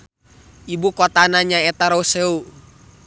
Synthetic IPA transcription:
ibukɔt̪anaɲaɛt̪aɾouseu

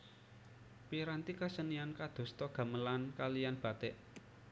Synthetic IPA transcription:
piɾant̪ikəsəniankad̪̥o̤st̪ɔɡ̥ä̤məlankalijanb̥ä̤t̪ɛʔ

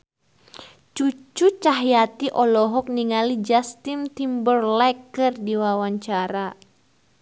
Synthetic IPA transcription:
t͡ʃut͡ʃut͡ʃaɦjat̪iʔɔlɔɦɔk̚niŋalid͡ʒast̪imt̪imbərlɛkːɨrdiwawaɲt͡ʃaɾa

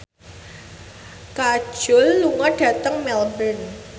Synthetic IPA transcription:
kḁʒ̥ʊ̤lːuŋaɖ̥ä̤t̪əŋmɛlbən

